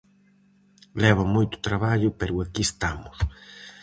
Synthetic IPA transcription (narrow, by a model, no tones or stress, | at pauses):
lɛβamojt̪ʊ̥t̪ɾaβaʎʊpɛɾʊakiest̪amʊs